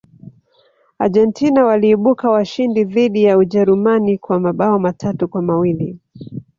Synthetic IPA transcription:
aʄɛntinawaliːɓukawaʃindiðiɗijauʄɛɾumanikwamaɓaɔmatʰatukwamawili

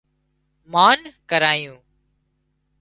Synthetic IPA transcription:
maːnkəɾaːjũː

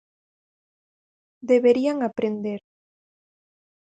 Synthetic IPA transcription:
d̪eβeɾiaŋapɾend̪eɾ

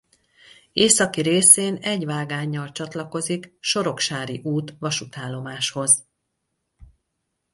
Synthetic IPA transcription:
eːsɒkiɾeːseːnɛɟʋaːɡaːɲːɒlt͡ʃɒt̪lɒko̞zikʃo̞ɾo̞kʃaːɾiʔuːt̪ʋɒʃut̪aːlːo̞maːʃho̞z

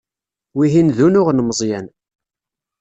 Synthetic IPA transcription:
wiɦinðunʊʁnməzˤjæn

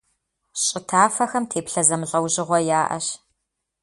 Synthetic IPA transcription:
ɕʼɪtʰaːfɐxɐmtʰeːpɬɐzɐmɨɬʼɐwʑɪʁʷɔjaːʔɐ̰ɕ

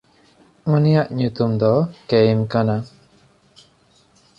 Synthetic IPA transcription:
unijaʔɲut̪umd̪ɔkemkana

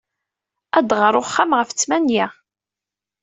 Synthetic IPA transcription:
æd̪ʁəɾˤoχːamʁəft͡sːmænjæ

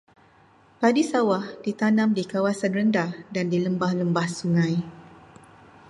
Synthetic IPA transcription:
padisawahd̥it̪anãmdikawasanrəndahdandiləmbahləmbahsuŋãj

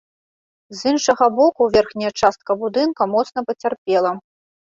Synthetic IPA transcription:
zinʂɐɣɐbɔkuvʲɛrxnʲɐjɐt͡ʂast̪̚kɐbud̪ɨnkɐmɔt̪snɐpɐt͡sʲarpʲɛlˠɐ

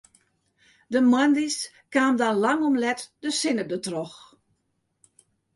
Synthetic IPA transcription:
dəmwandis | kaːmdanlaŋɔmlɛtdəsɪnədətrɔx

